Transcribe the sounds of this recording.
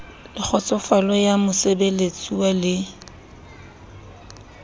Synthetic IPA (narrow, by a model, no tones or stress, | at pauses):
lɪk͡xʰɔt͡sʼɔfalɔjamʊsebelet͡sʼiwalɪ